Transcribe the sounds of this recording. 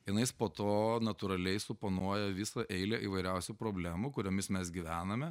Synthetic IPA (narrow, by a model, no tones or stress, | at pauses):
jɪnɐɪɪspoːt̪oːnɐt̪ʊɾɐlʲɛɪsʊponuɔjɛʋʲɪsɐʔɛɪlʲeʔiːʋɐɪɾʲɛʊsʲupɾoːbʲlʲæːmukʊɾʲoːmʲɪsmʲɛsɡʲɪʋʲæːnɐmʲɛ